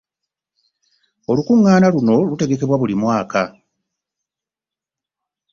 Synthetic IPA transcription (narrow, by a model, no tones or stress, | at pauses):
o̞lukuŋːaːnaluno̞lute̞ɡe̞ke̞βwaβulimwaːka